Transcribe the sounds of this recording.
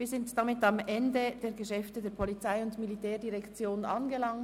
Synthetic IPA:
viːzɪntd̥amɪtɑmʔɛndəd̥eːɐɡəʃɛftədeːɐpʰɔlit͡saɪʊntmilitʰɛːɐdiʁɛkt͡sjoːnɑnɡəlɑŋ

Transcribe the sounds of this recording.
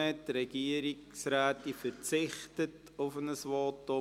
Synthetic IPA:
ɛtɾɛɡ̥iəɾiksɾæːtifəɾt͡sɪχtət | ʊfənəsʋɔːtːo

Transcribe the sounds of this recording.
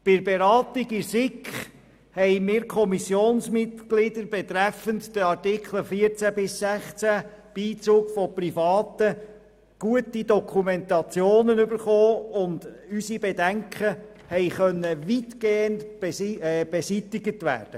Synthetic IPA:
b̥ɪɾbeɾɑːt̪iɡɪsɪkχ | hɛɪmɪːɾkʰɔmisjoːnsmɪt̪ɡlɪd̥əɾbɛt̪ɾɛfəntd̥əɑɾtɪkχl̩fiəɾt͡sæbɪsːɛχt͡sæb̥iːt͡suːkfɔprifɑːt̪ə | ɡ̥uətid̪ɔkʰumɛnt̪ɑt͡sjoːnənybəɾχoːʊnd | ysibɛdæŋkʰə | hɛɪχœnːəʋitɡ̥eːəntː | b̥ɛsit̪ɪɡətʋæ̰ːrd̥ə

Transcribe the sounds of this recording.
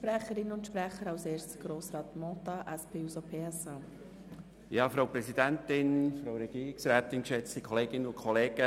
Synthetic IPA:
ʃpɾɛχəɾɪnʊntʃpɾɛχəɾɑwseːɾstt͡sɡ̥ɾoːsɾɑːt̪motɑʔæspʰeːusopʰeːɛsɑ | jɑːfɾaʊpɾɛsidæntɪnfɾaɾɛɡiːɾɪksɾæːt̪ɪnkʃɛt͡stikʰɔleːɡɪnəʊnkʰɔleːɡ̥ə

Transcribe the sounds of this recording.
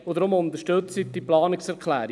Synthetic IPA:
od̪ɾʊmʊnt̪əʃtɵt͡sit̚diplɑːnɪksɛɾkʰlæ̰ːɾ

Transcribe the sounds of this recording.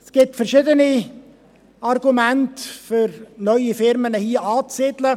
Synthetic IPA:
sɡ̥ɪtfɛɾʃɪdəni | ɑrɡumæntfʏɾnœʏifɪɾmənəhiəʔɑːt͡sɪdlə

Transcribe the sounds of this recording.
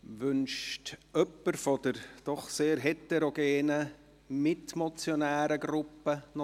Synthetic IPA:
ʋʏnʃtʔœpːəɾfɔd̥əɾd̥ɔχseːɾɦɛtɛɾoɡeːnə | mɪtmɔt͡sjonæːɾəɡɾʊpːənɔ

